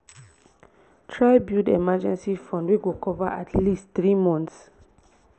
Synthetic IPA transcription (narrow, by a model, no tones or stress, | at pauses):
tʰɹaɪbjudemad͡ʒɛ̃nsifɔ̃ndweɡokɔvaʔatʰlistθɹimɔ̃nθs